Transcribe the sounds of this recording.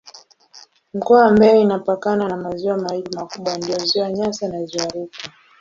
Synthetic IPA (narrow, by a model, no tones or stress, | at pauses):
m̩kɔaambɛɛinapakananamaziwamahiɾimakuɓwandijɔziwaɲasanaziwaɾika